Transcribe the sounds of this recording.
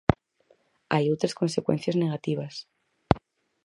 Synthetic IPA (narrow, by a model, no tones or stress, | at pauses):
ajot̪ɾesko̞nse̞kwe̞̰n̟θjazne̞ɣ̞at̪iβ̞as